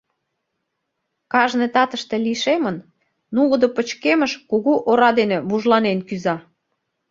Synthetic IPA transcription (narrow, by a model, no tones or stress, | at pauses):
kɑʒnet̪ɑt̪əʃt̪e̽liʃemən | nuləd̪opət͡ɕkeməʃkuɣuʔoɾɑd̪eneβuʒlɑnenkyzɑ